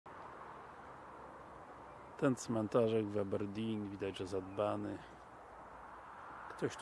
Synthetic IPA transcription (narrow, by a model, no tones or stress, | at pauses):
t̪ɛnt̪smɛnt̪aʐɛɡvabɛɾd̪ʲinvʲid̪ad͡ʑʐɛzad̪banɘ | kt̪ɔɕt̪